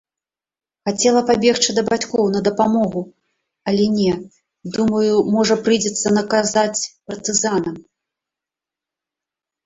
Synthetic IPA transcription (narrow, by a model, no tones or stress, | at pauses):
xat͡sʲɛlˠɐpabʲɛxt͡ʂɨd̪ɐbat͡sʲkɔwnɐd̪ɐpamɔɣu | ɐlʲɛnʲɛ | d̪umɐjumɔʐɐpɾɨjd͡zʲɛt̪sːɐnɐkazat͡sʲpɐrt̪ɨzanɐm